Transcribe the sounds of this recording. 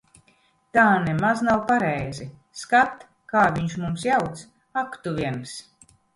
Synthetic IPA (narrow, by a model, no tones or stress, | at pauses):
t̪aːnemaznawpaɾɛjzi | skat̪ | kaːvʲiɲʃmumsjawt̪s | akt̪uvʲiɛns